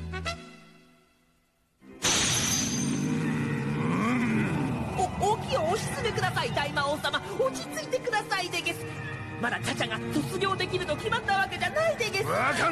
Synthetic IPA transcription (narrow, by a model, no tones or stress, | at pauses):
ooːkʲioːɕi̥t͡sɨd̪ekɯ̟d̪asait̪aimaoːsama | ot͡ɕit͡sɨit̪e̞kɯ̟d̪asaid̪e̞ɡe̞sɨ̥ | mad̪at͡ɕat͡ɕaɡaso̞t͡sɨɡʲo̞ːd̪e̞kʲiɾɯ̟t̪o̞kʲimat̪ːaβ̞ake̞d͡ʑanaid̪e̞ɡe̞s